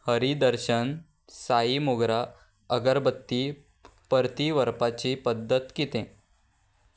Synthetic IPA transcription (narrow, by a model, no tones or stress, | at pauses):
həɾid̪əɾɕən | saimuɡɾa | əɡəɾbət̪ːi | pəɾt̪iʋəɾpat͡ɕipəd̪ːət̪kit̪ẽ